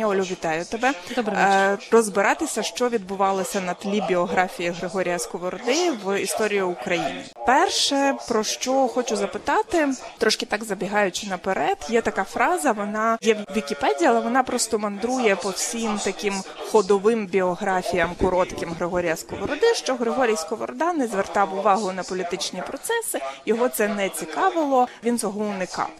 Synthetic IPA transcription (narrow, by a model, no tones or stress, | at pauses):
ɔlʲʊʋʲit̪ɑjʊt̪ɛbɛd̪ɔbrɔzbɪɾɑt̪ɪsʲɐʃt͡ʃɔʋʲid̪̚bʊʋɑlˠɔsʲɐnɐt̪lʲibʲiɔɦɾɑfʲijiɦɾɪɦɔɾʲijɐskɔʋɔɾɔd̪ɪʋist̪ɔɾʲijʊːkɾɐjḭnʲɪ̰pɛrʃɛpɾɔʃt͡ʃɔxɔt͡ʃʊzɐpɪt̪ɑt̪ɪt̪ɾɔʃkɪt̪ɑɡzɐbʲiɦɑjʊt͡ʃɪnɐpeɾɛd̪jɛt̪ɐkɑfɾɑzɐʋɔnɑjɛʋʲikʲipɛdʲiɐalˠɛʋɔnɑpɾɔst̪ɔmɐnd̪ɾujɛpɔwsʲimt̪ɐkɪmxɔd̪ɔʋɪmbʲiɔɦɾɑfʲijɐmkɔɾɔt̪kɪmɦɾɪɦɔɾʲijɐskɔʋɔɾɔd̪ɪʃt͡ʃɔɦɾɪɦɔɾʲijskɔʋɔɾɔd̪ɑnɛzʋert̪ɑwʊʋɑɦʊnɐpɔlʲit̪ɪt͡ʃnʲipɾɔt̪sɛsɪjɔɦɔt̪sɛnɛt͡sʲikɑʋɪlˠɔʋʲint͡s̪ʲɔɦɔʊnɪkɑ̰w